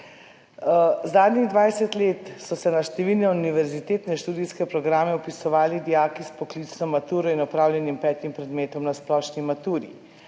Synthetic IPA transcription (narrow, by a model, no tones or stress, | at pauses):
zaːd̪niɣd̪ʋajsɛt̪leːt̪sɔsɛnaʃt̪ɛʋiːlnɛuniʋɛɾzit̪eːt̪nɛʃt̪uːd̪ijskɛpɾɔɡɾaːmɛɔpisɔʋaːlid̪ijaːkispɔklit̪snɔmat̪uːɾɔinɔpɾaːwlʲjɛnimpɛːt̪impɾɛd̪meːt̪ɔmnasplɔːʃnimat̪uːɾḭ